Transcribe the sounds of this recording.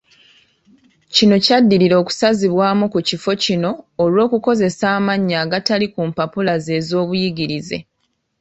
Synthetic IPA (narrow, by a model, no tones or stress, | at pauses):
cino̞cadːiɾiɾo̞ːku̥saziβwaːmukucifo̞cino̞ːlwo̞ːkuko̞ze̞saːmaɲːaːɡatalikumpapulaze̞ːzo̞ːβujiɡiɾize̞̰